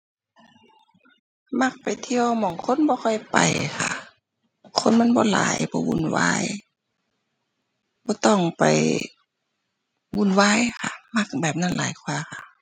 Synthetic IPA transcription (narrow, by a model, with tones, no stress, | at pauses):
ma˧˥˩k̚pa˨˩jt̪ʰi˧əwmɔː˨ŋkʰo˧˥˨nbɔː˧xʰɔ˧˩jpa̰˨˩jkʰa̰˧˩ | kʰo˧˥˨nma˧˥˨nbɔː˧˦la̰ː˨˦jbɔː˧˦wṵ˧˥˨nwa̰ː˧˥˨j | bɔː˧˦t̪ɔ˧˩ŋpa˨˩j | wu˧˨nwaː˧˥˨jkʰa˧˩ma˧˩k̚bɛː˨˩p̚na˧˥˨nlaː˨˦jkʰwaː˧˨xʰa˧˩